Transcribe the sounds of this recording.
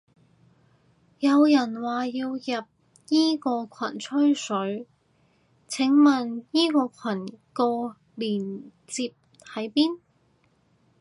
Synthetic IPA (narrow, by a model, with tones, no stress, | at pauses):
jɐ˨˧wjɐ˨˩nwaː˨˩jiː˧wjɐ˨p̚ | jiː˥kɔː˧kʷʰɐ˨˩nt͡ʃʰɵ˥ɥsɵ˨˥ɥ | t͡sʰɪ˨˥ŋmɐ˨˩njiː˥kɔː˧kʷʰwɐ˨˩nkɔː˧ | liː˨˩n | t͡siː˧p̚ | hɐ˨˥jpiː˥n